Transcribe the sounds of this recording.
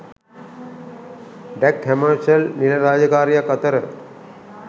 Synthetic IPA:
ɖækheməɾʃəlnilɐɾaːd͡ʒəkaːɾijakːɐt̪əɾə

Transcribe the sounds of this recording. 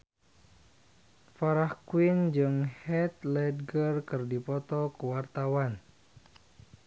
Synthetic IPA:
faɾahkwind͡ʒɨŋhɛt̪̚lɛd̪̚ɡərkɨrdipɔt̪ɔkəwart̪awan

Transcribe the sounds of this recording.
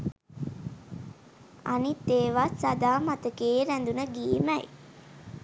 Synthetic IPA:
anit̪ːeːʋasad̪aːmat̪əkeːɾænd̪unəɡiːməj

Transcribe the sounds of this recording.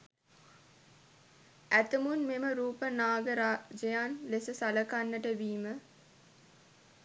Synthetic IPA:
æt̪əmunmeməɾuːpənaːɡəɾaːd͡ʒejaːnlesəsaləkanːəʈəʋiːmə

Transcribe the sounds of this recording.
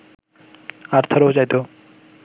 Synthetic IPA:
aɾt̪ʰəɾod͡ʑajd̪o

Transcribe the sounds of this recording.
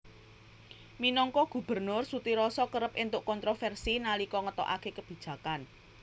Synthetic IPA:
minɔŋkɔɡ̥ṳb̥ərnʊrsut̪iɾɔsɔkəɾəp̚ɪnt̪ʊʔkɔnt̪ɾofɛrsinalikɔŋət̪ɔ̰ʔa̰kekəb̥i̤d̥ʒ̥ä̤kan

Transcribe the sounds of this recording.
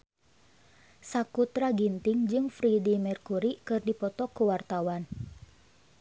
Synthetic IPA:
sakut̪ɾaɡint̪iŋd͡ʒɨŋfɾidimɛrkuɾikɨrdipɔt̪ɔkuwart̪awan

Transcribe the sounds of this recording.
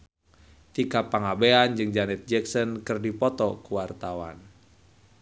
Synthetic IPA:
t̪ikapːaŋabeand͡ʒɨŋd͡ʒanɛt̪̚d͡ʒɛksɔnkɨrdipɔt̪ɔkuwart̪awa̰n

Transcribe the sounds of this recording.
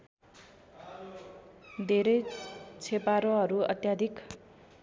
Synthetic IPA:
d̪ʱeɾʌjt͡sʰepaɾoɦʌɾuʌ̰t̪jad̪ʱik

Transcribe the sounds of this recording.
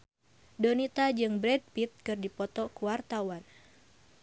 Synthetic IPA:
dɔnit̪ad͡ʒɨŋbɾɛd̚pit̪̚kɨrdipɔt̪ɔkuwart̪awan

